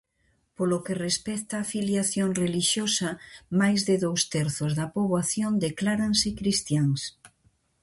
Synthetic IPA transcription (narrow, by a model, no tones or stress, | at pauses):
polokerespɛt̪aːfiljaθjoŋreliʃjosamajzðeðowst̪ɛɾθozðɐpoβwaθjond̪eklaɾansɪkɾist̪jaŋs